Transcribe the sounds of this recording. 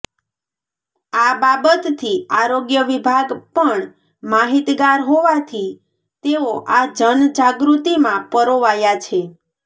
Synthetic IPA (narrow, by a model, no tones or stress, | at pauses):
ababət̪ːʰiaɾoɡjəʋibʱaɡpəɳ | maɦit̪ɡaɾɦoʋat̪ʰi | t̪eoʔad͡ʒənd͡ʒaɡɾut̪imãpəɾoʋajat͡ʃʰe